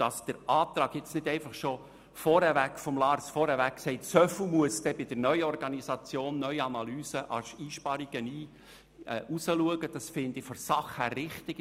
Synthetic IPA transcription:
d̥ɑsd̥əɾʔɑːt̪ɾɑːɡjɪt͡snɪdɛɪnfɑχʃo | fɔɾhɛvækfɔmlɑːrsfɔɾhɛɾvækksɛɪtsœfumuəsd̥ɛbɪd̥əɾnœʏəɔrɡɑnizɑt͡sjoːnːœʏɑnɑlyːsəʔɑ̰siːʃpɑɾiɡ̥əniː | ʔusəluəɡəd̥ɑsfɪnd̥ɪfɔsɑχhæːrːɪχt̪ɪɡ

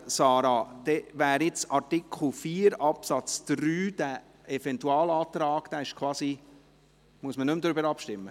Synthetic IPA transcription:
sɑːɾɑd̪̥ɛʋæːɾjɪt͡sɑɾtɪkʰl̩ˠfiːɾɑpsɑt͡sd̪̥ɾyːd̥̪æ | ɛvɛntuɑːlɑːt̪ɾɑːɡ̥d̥̪æːɪʃkʰvɑːsi | muəsmənʏmd̪ɾʏbəɾɑpʃtɪmːə

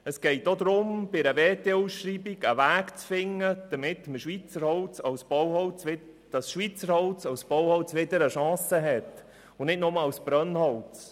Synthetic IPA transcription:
əsɡ̥ɛɪtːod̪ɾʊmb̥ɪɾəveːteusʃriːbiɡəʋæːkt͡sfɪŋːəd̪̥əmɪtməʃʋiːt͡səɾhɔʊt͡sɑwsb̥ɔwhɔʊt͡sʋɪ | d̥ɑsʃʋiːt͡səɾhɔʊt͡sɑwsb̥ɔwhɔwt͡sʋɪdəɾəʃɑ̃ːsəɦɛt̪ | ʊnɪtnɔməɑsb̥ɾœnhɔwt͡s

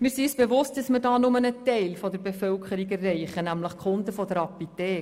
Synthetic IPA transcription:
mɪːɾsisb̥eʋʊst̚d̥ɑsmədɑːnʊmənətɛɪlfɔdəɾbefœlkʰəɾiɡɛrːɛɪχənæmləχkʰʊndəfɔd̥əɾɑpitɛː

